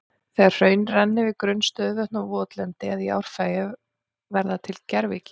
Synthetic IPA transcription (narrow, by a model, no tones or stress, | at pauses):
θɛar̥r̥œːɥnrɛnːɪvɪðkɾʏnːst̪œːðvœht̪navɔːt̪lɛnt̪ɪaðia̰ːwɾ̥faːjɪ | vɛɾðat̪ʰɪlcɛɾvḭcɪ̥